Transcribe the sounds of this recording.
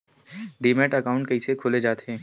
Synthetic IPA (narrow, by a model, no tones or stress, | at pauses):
ɖiːmeʈɐkaːʊ̃ɳʈkɐisekʰoːled͡ʒaːt̪eɦɛ̃ː